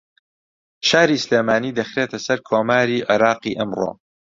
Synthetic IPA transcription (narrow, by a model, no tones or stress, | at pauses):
ʃaːɾiːsleːmaːniːd̪ɐxɾeːt̪ʰɐsɐɾkʰoːmaːɾiːʕɪɾɑːqḭːʔɐmro̰ː